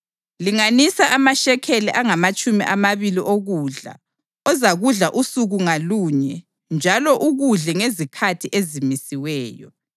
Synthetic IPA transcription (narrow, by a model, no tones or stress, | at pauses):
liŋanisaʔamaʃɛkʰelɛʔaŋamat͡ʃʼumiʔamaβiliʔoɣuːɮa̰ | ɔzaɣuɮaʔusuɣuŋaluːɲɛ | nd͡ʒʱalɔʔuɣuɮɛŋezikʰatʰiʔezimisiwɛːjɔ̰